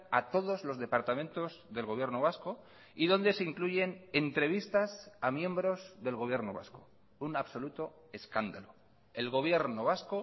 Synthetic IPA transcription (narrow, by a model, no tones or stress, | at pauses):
at̪o̞ðo̞zlo̞zðe̞paɾt̪amẽnt̪o̞zðe̞lɣo̞β̞je̞ɾnoβasko̞ | iðo̞nd̪eseiŋkluʝe̞ne̞nt̪ɾe̞β̞ist̪asamjẽ̞mbɾo̞zðe̞lɣ̞oβje̞ɾnoβa̰sko̥ | unaβso̞lut̪o̞ | e̞skand̪alo | e̞lɣo̞β̞je̞ɾnoβasko